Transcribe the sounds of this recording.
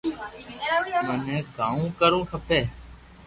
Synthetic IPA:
mənẽːɡãːũːkəɾũːkʰəpeː

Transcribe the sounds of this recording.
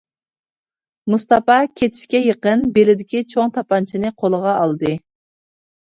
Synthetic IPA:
must̪ɑpɑkʲʰet̪ʰɪ̥ʃkʲɛjəqənbelɪd̪ɪkʲit͡ʃʰoŋt̪ʰɑpɑnt͡ʃʰinɨqʰolˠəʁɑʔɑlˠd̪ɨ

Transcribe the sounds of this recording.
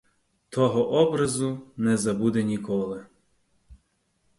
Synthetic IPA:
t̪ɔɦɔʔɔbɾɐzunɛzɐbud̪ɛnʲikɔlˠɪ

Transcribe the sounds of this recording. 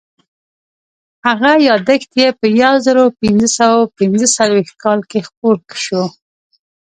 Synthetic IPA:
haɣajɑd̪əxt̪jepəjawzəɾopɪnzəsawapɪnzəsalwext̪̚kɑlkexp̚oɾkʃo

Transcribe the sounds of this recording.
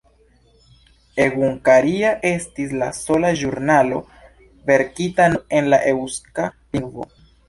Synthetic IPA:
e̞ɣuŋkaɾiaʔe̞stis̬laso̞laʒuɾnalo̞ | ve̞ɾkitanoe̞nlaʔewskaliŋvo̞̰

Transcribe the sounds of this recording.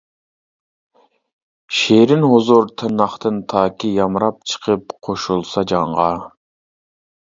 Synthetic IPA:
ʃeɾɪnɦozoɾt̪ʰɨnɑχt̪ɨnt̪ʰɑːkʲijɑmɾɑp̚t͡ʃʰə̥qʰəp̚qʰoʃulˠsɑd͡ʒɑɴʁɑ

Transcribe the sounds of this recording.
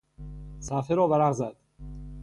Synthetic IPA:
sæfeɾɒːvæɾæʁzæd̪̥

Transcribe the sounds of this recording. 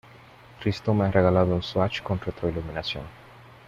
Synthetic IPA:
t̪ɾist̪omeareɣalaðounswat͡ʃkonret̪ɾoiluminasjo̰n

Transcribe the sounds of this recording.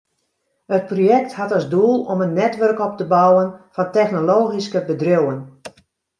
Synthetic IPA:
hət̚projɛk̚thatɔzduːlˠɔmənnːɛtʋørkɔp̚təbawənfɑntɛxnoloːɣiskəbədrowən

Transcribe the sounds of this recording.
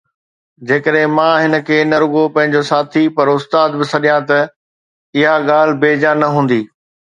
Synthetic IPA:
d͡ʑeːkəɗɦɪ̃mãːɦɪnə̆kʰeːnɐɾʊɡopɐ̃ɦɪ̃ɲd͡ʑosaːt̪ʰipɐɾʊst̪aːd̪bɪsɐɗijãt̪ɐ | ɪɦaɠaːl̤ɪ̆beːd͡ʑanɐɦũːn̆d̪iː

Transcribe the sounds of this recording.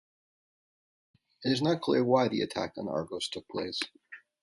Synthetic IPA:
ɨɾɨznət̚kʰl̥ɪ̰ɹwaɪðiɨ̰tʰæ̰kn̩ɑ̰ɹɡoʊz̥tʰʊk̚pʰl̥eɪs

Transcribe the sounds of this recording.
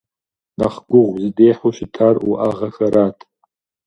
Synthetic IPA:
naχɡʷʊʁʷzdejħuʃitʰaruʔaʁaxaɾatʰʼ

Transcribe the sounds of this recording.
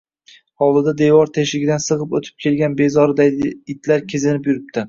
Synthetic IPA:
hɒlˠd̪ɪd̪ad̪e̞wɒɾt̪ʰeʃlɪɡʲɪd̪ansɨʁɨpot̪ʰɪ̥p̚kʲʰe̞lɡʲanbe̞zɒɾɪd̪aɪt̪laɾkʲʰezɪnɪpjʊɾɪp̚t̪ʰɪ

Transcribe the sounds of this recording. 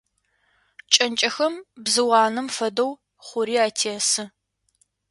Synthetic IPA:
t͡ʃʼɐnt͡ʃʼɐxɐmbzɨwɑːnɨmfɐdɐw | χʷʊɾiːaːtʰeːsɨ

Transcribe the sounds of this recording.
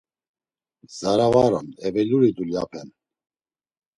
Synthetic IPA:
zaɾavaɾɔnɛbɛluɾid̪ulja̰pʰɛn

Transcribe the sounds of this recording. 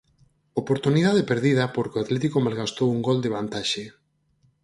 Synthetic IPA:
opoɾt̪uniðaðepeɾðið̞ɐpoɾkeoat̪lɛt̪ikomalɣast̪owuŋɡold̪eβ̞ant̪aʃe

